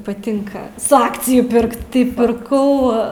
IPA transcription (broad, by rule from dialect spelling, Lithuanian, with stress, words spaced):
pɐˈtʲɪŋkɐ sʊ ˈɑːkt͡sʲɪjʊ ˈpʲɪrkt tɐɪ pʲɪrˈkɐʊ